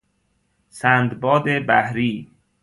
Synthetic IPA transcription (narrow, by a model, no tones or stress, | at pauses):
sænd̪bɒːd̪ebæhɾiː